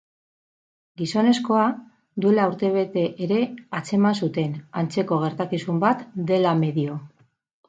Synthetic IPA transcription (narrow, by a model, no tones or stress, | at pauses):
ɡiso̞ne̞sko̞a | d̪ue̞lauɾt̪e̞β̞e̞t̪e̞ʔːɾe̞at͡se̞mansut̪e̞nant͡se̞ko̞ɣ̞e̞ɾt̪akisumbat̪d̪e̞lame̞ðio̞